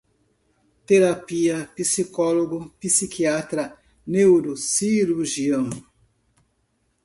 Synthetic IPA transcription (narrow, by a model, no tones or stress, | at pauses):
t̪eɾapiɐpisikɔloɡʊpisikiat̪ɾɐ | newɾusiɾuʒiɐ̃w